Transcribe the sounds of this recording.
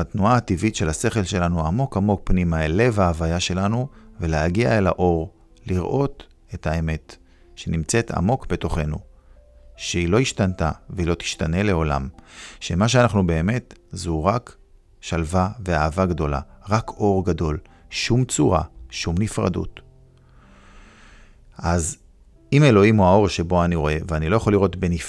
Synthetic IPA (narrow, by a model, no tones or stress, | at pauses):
atnuaːtivitʃe̞lase̞χe̞lʃe̞lanuamo̞kamo̞k̚pnimaele̞vaːvajaʃe̞lanuveleaɡia̰ela̰ʔo̞ʁ | liʁʔo̞t̪ | e̞tʰae̞me̞t | ʃe̞nimt͡se̞tʰa̰mo̞kbe̞to̞χe̞nṵ | ʃeilo̞iʃtantaveilo̞t̪i̥ʃtane̞le̞o̞la̰mʃe̞maʃ̬eanaχnube̞ːme̞tzuʁak | ʃalvaveaːvaɡdo̞la̰ʁakʰo̞ʁɡado̞l | ʃumt͡suʁa̰ʃumnifʁa̰dṵt | ʔaz | ime̞lo̞imuaoʁʃebo̞aniʁo̞e̞veanilo̞jaχolːiʁo̞tbenif